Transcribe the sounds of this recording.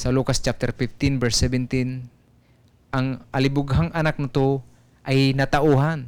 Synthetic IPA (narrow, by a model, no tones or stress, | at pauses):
sɐluːkast͡ʃap̚t̪ɛɾfɪft̪ɪnvɛɹsɛvɛnt̪ɪn | ʔɐŋʔɐlɪbʊɡɦaŋʔɐnak̚nɐt̪o | ʔɐjnɐt̪ɐʔuːɦan